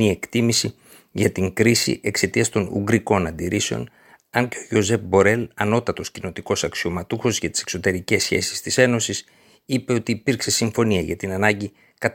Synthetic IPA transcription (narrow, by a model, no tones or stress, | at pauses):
ie̞kt̪imisi | ʝɐt̪iŋɡɾisḭʔe̞kse̞t̪iɐst̪o̞nṵɡɾiko̞nɐnd̪iɾise̞o̰n | ɐɲceo̞ʝo̞ze̞fbo̞ɾe̞lɐno̞t̪ɐt̪o̞scino̞t̪iko̞sɐksio̞mɐt̪uxo̞zʝɐt̪i̥se̞kso̞t̪e̞ɾice̞sçe̞̰si̥st̪ise̞no̞sis | ipe̞o̞t̪iːpiɾkse̞siɱfo̞niɐʝɐ̰t̪inɐnɐɲɟi | kɐt̪